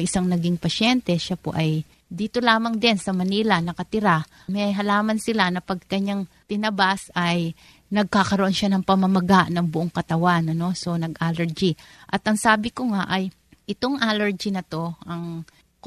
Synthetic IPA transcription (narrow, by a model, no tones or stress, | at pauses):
ŋʔɪsaŋnɐɡiŋpɐʃjɛnt̪ɛʃapo̰ʔɐj | d̪iːt̪olaːmɐŋd̪ɪnsɐmɐniːlɐnɐkɐt̪ɪɾa | mɛɦɐlaːmɐnsɪlanɐpɐɡ̚kɐɲːaŋt̪ɪnɐbasɐj | nɐɡ̚kaːkɐɾoʔo̞nʃanɐŋpɐmɐmɐɡaʔnɐŋbʊʔoŋkɐt̪ɐwanɐno̞so̞nɐɡʔaːlɛɹd͡ʒi | ʔɐt̪ɐŋsaːbɪkoŋaʔɐj | ʔɪt̪o̞ŋʔaːlɛɹd͡ʒinɐt̪o̞ʔɐŋ | k